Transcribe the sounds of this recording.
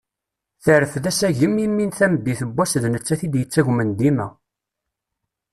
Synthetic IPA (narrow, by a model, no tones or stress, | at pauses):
θəɾəfðæsæʝəmimːinθæmd̪iθəbːæsðnət͡sːæθid̪jət͡sːæʝmənd̪imæ